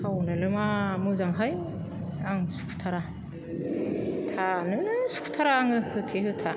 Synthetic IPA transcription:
awnɯlɯmamɯzaŋɦaj | aŋsu̥kʰu̥tʰaɾa | tʰanɯnɯsu̥kʰu̥tʰaɾaːŋɯhɯtʰeɦɯtʰa

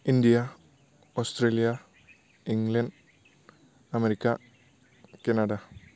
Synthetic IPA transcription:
ind̪ijɐ | oːst̪reːlijɐ | iŋɡlɐnɖ | ɐmeɾikʲːɐ | kenɐɽɐ

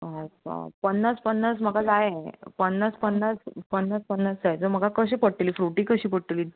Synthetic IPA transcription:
aa̰pənːaspənːasm̤əɡad͡zajepənːaspənːat͡spənːaspənːasd͡zajed͡zom̤əɡakəɕẽpəɽʈ̪əliːfɾuʈiːkəɕiːpəɽʈ̪iliː

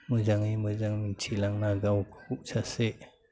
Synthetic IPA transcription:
mɯzaŋimɯzaŋmint͡ʃʰilaŋnaɡawkʰkuk̚saseʔ

